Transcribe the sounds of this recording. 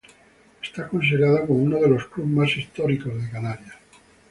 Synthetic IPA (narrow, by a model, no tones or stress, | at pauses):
est̪akons̬eɣɾaðakomounoðe̞lo̞sklumasist̪oɾiko̞zðekanaɾja